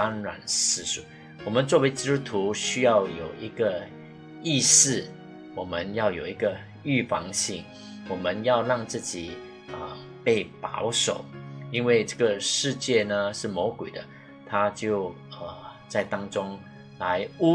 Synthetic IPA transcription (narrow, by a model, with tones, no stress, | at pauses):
a˥nɻa̰˨˩nsɹ̩˥˩ʂu˨˩ | wɔ˨˩mə˦nt͡swɔ˥˩we˧˥ɪt͡ɕi˥˩t̪u˥t̪ʰu˧˥ɕy˥jɑ˥˩ʊjo˨˩ʊi˧˥ɡ̥ə˧ | i˥˧sɹ̩˥˩ | wɔ˨˩mə˦njɑ˥˩ʊjo˨˩ʊi˧˥ɡə˧ | y˥˩fɑ̰˧˥ŋɕi˥˩ŋ | wɔ˨˩mə˦njɑ˥˧ʊlɑ˥˧ŋt͡sɹ̩˥˩t͡ɕi˨˩ | ə˨ | pe˥˩ɪpɑ̰˧˥ʊʂo˨˩ʊi˥nwe˥˧ɪʈ͡ʂə˥˩ɡə˨˩ʂɻ̩˥˧t͡ɕjɛ˥˩nə˩ʂɻ̩˥˩mo˧˥ʊkwe˨˩d̪ə˦ | t̪ʰa˥t͡ɕjo˥˧ʊə˨˩t͡sa˥˩ɪt̪ɑ˥ŋʈ͡ʂʊ˥ŋ | la˧˦ɪu˥